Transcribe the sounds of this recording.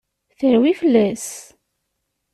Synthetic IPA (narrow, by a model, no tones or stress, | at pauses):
θəɾwifəlːæs